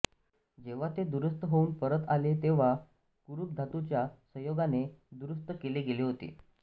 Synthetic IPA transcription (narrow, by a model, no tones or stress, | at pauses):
d͡ʑeʋ̤at̪ed̪uɾəst̪əɦouːnpəɾət̪alet̪eʋ̤a | kuɾuk̚d̪ʱat̪ut͡ɕjasəjoɡaned̪uɾəst̪əkeleɡeleɦot̪ḛ